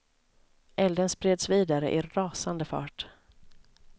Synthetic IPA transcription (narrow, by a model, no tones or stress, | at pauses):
ʔɛld̪ənspɾeːd̪sviːd̪aɾə̰ʔɪɾɑːsand̪əfɑ̰ːʈ